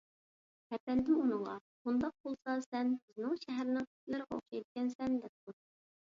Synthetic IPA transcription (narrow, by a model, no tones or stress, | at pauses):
hɛpɛnd̪ɪmunɨɴʁɑ̰χund̪ɑq̚pʰolˠsɑlˠsɛnbyznɪŋʃɛɦæɾɪnɪŋkʰy̥t̪lɪɾɨʁɛo̰χʃɑjt̪̚kʲɛnsɛnd̪ɛp̚t̪u